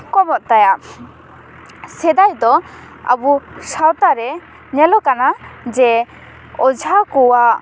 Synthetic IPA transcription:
kɔmɔʔ̪̚t̪ajaʔ | sɛd̪ajd̪ɔ | a̰busawt̪aɾɛ | ɲɛlɔkanad͡ʒɛ | ɔd͡ʒʱakɔwaʔ

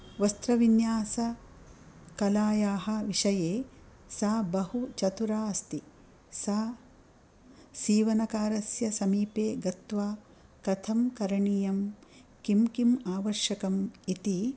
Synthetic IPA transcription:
ʋɐst̪ɾɐʋinjaːsɐ | kɐlaːjaːɦɐ̆ʋiʂɐjeː | saːbɐhut͡ʃɐt̪uɾaːɐst̪i | saː | siːʋɐnɐkaːɾɐsjɐsɐmiːpeːɡɐt̪ʋaː | kɐt̪ʰɐmkɐɾɐɳijɐmkimkimaːʋɐɾʃjɐkɐmit̪i

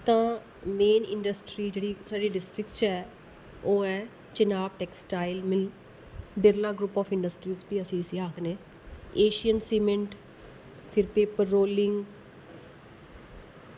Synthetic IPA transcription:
t̪ãː | meːnɪ̰̃ɳɖəsʈɾiːd͡ʒeːɽiːsaːɾiːɖɪsʈɾɪk̪̚t͡ʃɛː | oːɛː | t͡ʃənaːbʈɛːksʈaːɪlmɪl | bɪɾlaːɡɾuːpɔːfɪ̃ɳɖəsʈɾiːzbiːəsĩːsĩaːkneː | eːʃijənseːmɪ̃ɳʈ | pʰɪɾpeːpəɾːoːlɪ̃ŋɡ

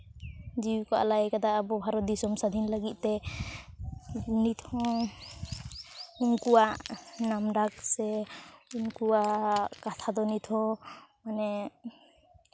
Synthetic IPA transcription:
d͡ʒiwukɔʔa̰laɛkad̪aːbɔbʱaɾɔd̪isɔmsad̪ʱinləɡit̪̚ˀt̪ɛ | nit̪ʰhɔ̃ | uŋkuwaʔnamɖak̚sɛuŋkuaʔkat̪ʰad̪ɔnit̪ʰɔ̃manɛ

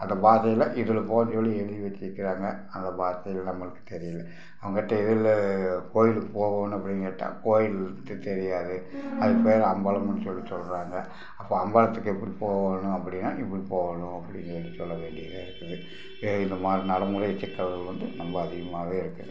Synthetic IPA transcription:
ɐnd̪ɐbaːtɐjɐlɐʔɪðɯlɐpoːnsɔlːiɛɻɯðiʋɐt͡ʃːɪɾɯkːɪɾaːŋɡɐ | ɐnd̪ɐbaːɾt̪ɐjɐlɐnɐmːɐɭɯkːɯ̥t̪ɛɾɪjɐlːɐ | ɐʋɐŋɡɐɪʈːɐɪðɪlːkoːjɪlpoːʋoːnɐpːɐɽɪnɡɐʈːa̰ːkoːjɪlnd̪ɯt̪ɛɾɪjaːðɯɐðɐpeːɾɐɐmbaːlɐmɐnːɯsɔlːisɔlːɾaːŋɡɐ | ɐpːoːɐmbaːlɐt̪ːɯkːɛpːɐɽipoːʋaːnʊ̃ɐpːɐɽɪnːa̰ːʔɪpːɐɽipoːʋaːɳʊ̃ɐpːɐɽɪnsɔɭlisɔlːɐʋeːɳɖɪjɐðeːɪɾɯkːɐðɯ | eɪnd̪ɐmaːd̪ɾinɐɽɐmuɾɐjɛt͡ʃːɛkːɐʋɐʋɐnd̪ɯnɐmbɐɐðɪɣɐmaːʋeːɪɾɯkːɐðɯ

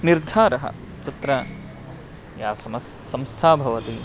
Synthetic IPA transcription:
niɾd̪ʱaːɾɐɦɐ̰ | t̪ɐt̪ɾɐ | jaːsɐmɐssɐmst̪ʰaːbʱɐʋɐt̪i

